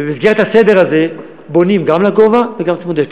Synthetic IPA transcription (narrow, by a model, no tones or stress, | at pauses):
emizɡeet̪hased̪e̞ʁaze̞ | bo̞nimɡamlaɡo̞vaveɡamt͡smud̪ek